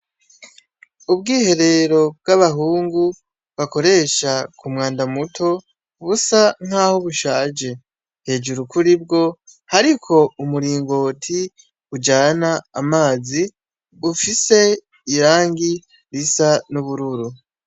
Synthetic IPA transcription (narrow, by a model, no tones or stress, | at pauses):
ubɡiːhe̞ɾe̞ɾo̞b̚ɡaβaɦuːŋɡu | βako̞ɾe̞ʃakʰumŋaːndamutʰo̞ | βusaŋ̥haːhoβuʃaːd͡ʒe̞ | he̞ːd͡ʒuɾukʰuɾib̚ɡo̞haɾikʰo̞umuɾiːŋɡo̞ːtʰi | ud͡ʒaːnaːmaːzi | βufise̞ | iɾaːŋɡi | ɾisanuβuɾuɾu